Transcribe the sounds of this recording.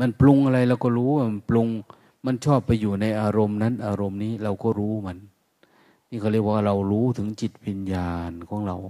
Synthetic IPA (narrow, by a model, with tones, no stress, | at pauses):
ma˧˥nplu˧ŋʔa˧ɾa˧jla˧˩wkɔː˧˩ɾuː˦˥wa˧nplu˧ŋ | ma˧˥˨nt͡ɕʰɔː˥˩pːa˧jːuː˨˩na˧jʔaː˧ɾo˧mna˦˥˨nʔaː˧ɾo˧mniː˦˥˩ɾa˧wkɔː˧˥˩ɾuː˦˥ma˧˥n | niː˧˩kʰa˧˩lɯ˧˥˩k̚bwa˧˩ɾa˧wɾuː˦˥t̪ʰɯ˩˦ŋt͡ɕi˨˩t̪̚wi˧njaː˧nkʰɔː˩˦ŋɾa˧w